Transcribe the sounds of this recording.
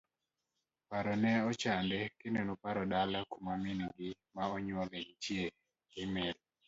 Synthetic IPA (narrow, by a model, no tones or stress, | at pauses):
paɾɔnɛɔt͡ʃandɛkɪnonopaɾɔdalakumaminɡɪmaɔɲwɔleŋt͡ʃje | ɪmɪl